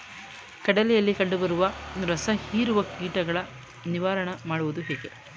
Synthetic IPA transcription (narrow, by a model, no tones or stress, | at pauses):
kɐɽɐlɛjɐlːikɐɳɖubɐɾuʋɐɾɐsɐhiːɾuʋɐkiːʈɐɡɐɭɐ | niʋaːɾɐɳɐmaːɽuʋud̪uɦeːɡe̞